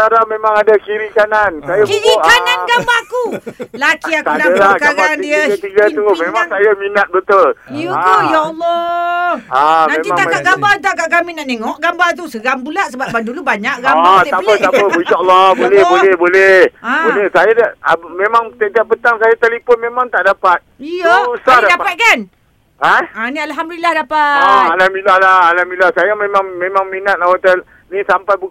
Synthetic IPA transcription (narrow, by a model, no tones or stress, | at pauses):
aɾamẽmãŋadakiɾikanansajaiikananɡambakulakiaksanadəaəɡkaɡbanidiəət̪iɡat̪umẽmaŋsajaminat̪̚bət̪ʊlut̪ujaɔlːɔ | amẽt̪imat̪aɡaʔɡambat̪akaʔkaminaʔt̪eŋɔʔɡambat̪̬usəɣampulaʔsəbapbadulubaɲaʔɡaapət̪apəinʃɔəlːɔbolɛhbolɛhbolɛbolɛhsajadaʔmẽmaŋt̪ət̪aʔpət̪aŋsajat̪alipʊnmẽmãŋt̪aʔdapat̪̚ijausadadapat̪̚kan | aanĩalɦamdulilahdapaalamilahlaalamilahsajamẽmãŋmẽmaŋminat̪̚awat̪al | nĩsampajbu